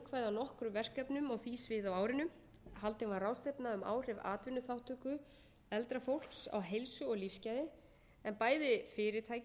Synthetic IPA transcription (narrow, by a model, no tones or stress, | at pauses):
kʰvajðawnɔhkɾʏvɛr̥kapnʏmawθisvɪðawaːwɾɪnʏm | halt̪ɪnvaɾrawst̪ejpnaʏma̰ːwr̥ɛva̰ːt̪vɪnːʏθawht̪ʏːkʏ | ɛlt̪ɾafowl̥ksa̰wɦejlsʏɔɣlifscajðɪ | ɛnpaːjðɪfɪːɾɪt̪ʰaːj